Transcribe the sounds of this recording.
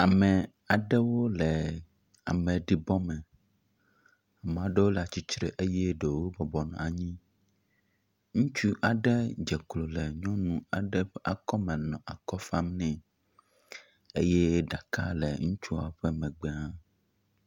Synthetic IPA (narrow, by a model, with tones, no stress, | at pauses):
a˨mɛ̃˨ | a˨ɖɛ˦wo˦lɛ˨ | a̰˨mɛ̃˨ɖi˨bɔ˦mɛ̃˨ | a˨me˨a˨ɖɛ˦wo˦la˨t͡ɕi˦t͡ʃɾḛ˨ʔe˦jɛ˦ɖe˨wo˦bɔ˨bɔ˨nɔ̰̃˨a˨ɲĩ˦ | ŋũ˦t͡ʃu˦ʔa˨ɖɛ˦d͡ʒɛ˨klo˨lɛ˨ɲɔ̃˦nũ˨a˨ɖɛ˦ɸɛ˦ʔa˨kɔ˦mɛ̃˨nɔ̃˨ʔa˨kɔ˦fa˦mnɛ̃˨ | e˦jɛ˦ɖa˨ka̰˦lɛ˨ŋũ˦t͡ʃu˦a˨wo˦ɸɛ˦mɛ̃˨ɡ͡bɛ˦ã˦